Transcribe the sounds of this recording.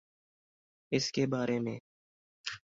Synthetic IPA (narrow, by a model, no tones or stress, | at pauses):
ɪskebaːɾemẽː